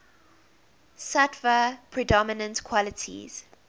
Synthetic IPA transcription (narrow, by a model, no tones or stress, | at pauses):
satvəpʰɹidɔmɪnə̃ntkʰwɔlətʰḭz̥